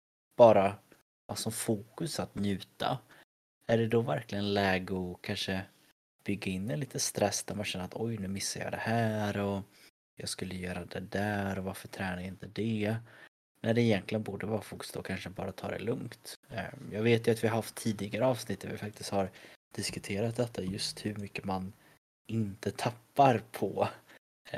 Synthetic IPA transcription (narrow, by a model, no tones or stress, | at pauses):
b̥ɑːɾa | sɔmfuːkɵsat̪njʉ̟ːt̪a̰ | æɖɛd̪ɔvæɾklɪɡənlɛːɡʊkʰanʂə | b̥ʏɡːaɪnːɛliːt̪əst̪ɾʔɛsːd̪ɛɾmanɕɛnːəɾat̪ʰɔjnʉ̟ːmɪsːajɑ̰ːd̪ɛhæːɾɔ | jɑːɡskɵlːəjœːɾad̪ɛd̪æːɾɔvaɾfœʈʰɾɛːnaɾɪnt̪əd̪ɛ | næɖɛɪjɛnk̪lɪənbuːɖəvɑːɾafʊkst̪oɔ̰kʰanʂəbɑ̰ːɾat̪ʰɑ̰ːɾd̪ɛ̰lɵŋkt̪jɑːɡveːt̪jɵat̪vɪhaɦaft̪ʰːiːd̪ɪɡaɾəɑːvsnɪt̪ːɛvɪfak̚t̪ɪst̪haɾd̪̥ɪskɵt̪ʰeːɾat̪̚d̪ɛt̪ʰːajɵst̪hɵɾmʏkːəman | ɪnt̪ət̪ʰapːaɾpʰɔ